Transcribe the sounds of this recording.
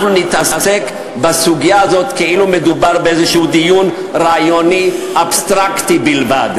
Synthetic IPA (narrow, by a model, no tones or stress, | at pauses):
nunit̪ʔasasek | basuɡijaazot̪keilumed̪ubaʁbeezeʃuud̪ijun | ʁaajoniʔabst̪ʁakt̪ibilva̰d